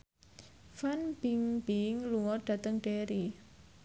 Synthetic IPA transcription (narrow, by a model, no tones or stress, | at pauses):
fanb̥iŋbiŋluŋɔɖ̥ä̤t̪əŋɖ̥eɾi